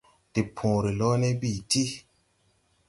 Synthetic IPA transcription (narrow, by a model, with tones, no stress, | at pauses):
ti˨pʰũ˨ɾi˨lɔ˦ne˦bi˦˨ti˦